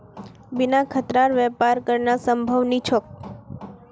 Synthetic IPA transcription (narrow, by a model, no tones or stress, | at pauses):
binakʰət̪ɾaɾʋɛpaɾkəɾnasəmbʱəʋnit͡ʃʰok̚